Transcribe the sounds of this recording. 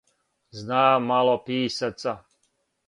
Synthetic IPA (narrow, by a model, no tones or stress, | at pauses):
znaːmːalˠopiːsat̪sa